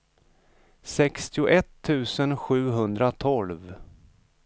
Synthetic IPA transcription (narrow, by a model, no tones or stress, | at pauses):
sɛkst̪ɪʊʔɛt̪ʰːʉ̟ːsənɧʉ̟ːɦɵnd̪ɾat̪ʰɔlv